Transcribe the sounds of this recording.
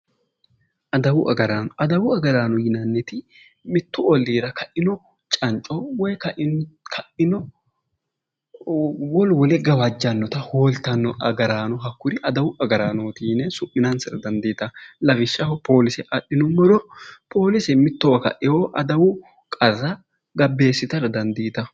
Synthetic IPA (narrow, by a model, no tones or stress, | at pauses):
ʔɐd̪ɐwʊʔɐ̰ɡɐɾaːnɐd̪ɐwʊɐɡɐɾaːnɔjɪnɐnːɛt̪ɪ | mɪt̪ːʊɔlːiːɾɐkɐʔɪnɔ | t͡ʃʼɐnt͡ʃʼɔwɔjkɐʔkʰɐʔɪnɔ | wɔlwɔlɛɡɐwɐd͡ʒːɐnːɔt̪ɐhoːlt̪ːɐnːɔʔɐɡɐɾaːnɔɦɐkːʊɾɪʔɐd̪ɐwʊʔɐɡɐɾaːnoːt̪iːnɛsʊʔːɪnɐnsɐɾɐd̪ɐnd̪iːt̪ɐlɐfɪʃːɐhɔpʰo̞ːlɪsɛʔɐɗːɪnɔmɔd̪ɔpʰo̞ːlɪsɛmɪt̪ːɔwɐkɐ̰ʔɪhoʔɐd̪ɐwʊ | kʼɐrːɐ | ɡɐbːe̞ːsːɪt̪ɐɾɐd̪ɐnd̪iːt̪ɐ